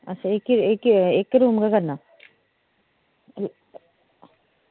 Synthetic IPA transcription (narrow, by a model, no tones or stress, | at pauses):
ɐtːt͡ʃʰaeːkieːkeːkɾuːmkakɐɾna